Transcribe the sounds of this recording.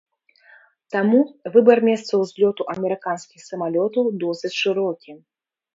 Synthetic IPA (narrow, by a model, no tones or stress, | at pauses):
t̪amuvɨbɐrmʲɛst̪sɐwzʲlʲɔt̪uʔɐmʲɛɾɨkanskʲixsɐmalʲɔt̪ɐwd̪ɔsʲɨt͡sʲʂɨɾɔkʲi